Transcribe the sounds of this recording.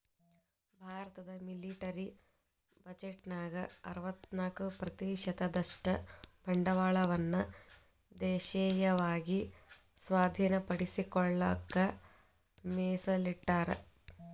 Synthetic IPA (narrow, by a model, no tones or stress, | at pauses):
bʱaːɾɐt̪ɐd̪ɐmiliʈɐɾi | bɐd͡ʒeʈnaːɡɐɐɾɐʋɐt̪naːkupɾɐt̪iːʃɐd̪ɐd̪ɐʂʈɐbʱɐɳɖɐʋaːɭɐʋɐnːɐ | d̪eːʃeːjɐʋaːɡisʋaːd̪ʱiːnɐpɐɽisikɔɭːɐkːɐ | meːsɐliʈːaːɾḛ